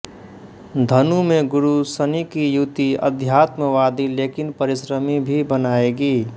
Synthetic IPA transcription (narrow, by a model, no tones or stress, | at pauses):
d̪ʱənumeɡʊɾusənikijut̪iə̰d̪ʱjat̪məʋad̪ilekɪnpəɾisɾəmibʱibənaːeɡiː